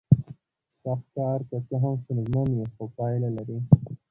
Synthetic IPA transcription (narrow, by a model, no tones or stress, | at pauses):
saxt̪kɑɾt̪at͡səɦamst̪anzmanjexopɑjlalaɾi